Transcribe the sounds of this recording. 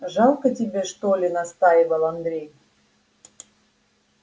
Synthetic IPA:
ʒɑlˠkətʲibʲeʃt̪olʲenɑst̪ɑjɪβəlˠand̪ɾʲej

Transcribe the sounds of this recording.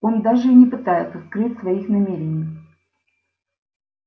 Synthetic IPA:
o̞nd̪aʐɨinʲɪpɨt̪ajɪt̪səskɾɨtʲsvɐixnɐmʲeɾʲɪnʲɪj

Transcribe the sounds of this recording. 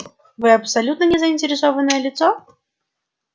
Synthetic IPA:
vɨɐpsalʲut̪nɐnʲɛzɐinʲtʲɪɾʲɪsɔvɐnɐjəlʲit̪sɔ

